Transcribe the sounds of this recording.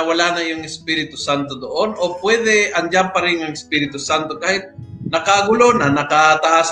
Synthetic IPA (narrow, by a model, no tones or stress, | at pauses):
walanajʊŋɪspiɾɪt̪ʊsant̪od̪oʔonopwɛd̪ɛɐnd͡ʒampɐɾɪnaŋɪspiːɾɪt̪ʊsant̪okaːhɪt̪̚nɐkaɡʊlonanɐkat̪ɐʔas